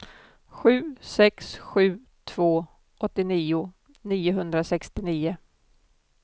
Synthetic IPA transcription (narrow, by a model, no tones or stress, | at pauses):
ɧʉ̟ːsɛksɧʉ̟ː | t̪ʰv̥oː | ʔɔt̪ːɪniːʊ | niːʊɦɵnd̪ɾasɛkst̪ɪniːʊ